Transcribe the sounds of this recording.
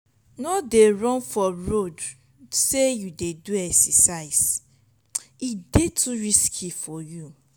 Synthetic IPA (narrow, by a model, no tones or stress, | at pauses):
nodeɹɔ̃nfɔɹod | sejudeduɛksɛsaɪs | idetʰuɹiskʰifɔju